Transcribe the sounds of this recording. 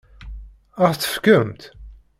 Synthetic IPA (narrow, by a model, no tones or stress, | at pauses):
əʁθθə̥fkəmt̪